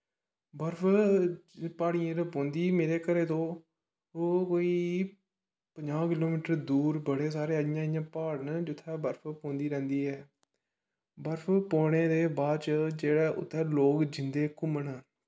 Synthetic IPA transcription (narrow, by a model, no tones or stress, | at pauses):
bəɾpʰ | paːɽiːãːɾəpõːnd̪iːmeːɾeːkəɾeːt̪õː | koːiː | pəɲd͡ʒãːkɪloːmɪːʈəɾd̪uːɾbəɽeːsaːɾeːəɪjãːɪjãːpaːɽnd͡ʒɪt̪ʰːɛːbəɾpʰpõːnd̪iːɾɛ̃ːnd̪iːɦɛː | bəɾpʰpoːɽeːd̪eːbaːd̪t͡ʃd͡ʒeːɽɛːʔʊ̰t̪ʰːɛːloːkd͡ʒɪnd̪eːkʊməɳɛː